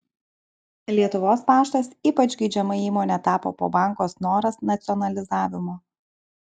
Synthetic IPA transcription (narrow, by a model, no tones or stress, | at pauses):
lʲiɛt̪ʊʋoːspɑːʃt̪ɐsiːpɐd͡ʒʲɡʲɐɪd͡ʒʲɛmɐiːmoːnʲet̪ɑːpo̰ːpo̰ːbɑˑŋˑkoːsnoːɾɐsnɐt̪sʲɔnɐlʲɪzɑːʋʲɪmoː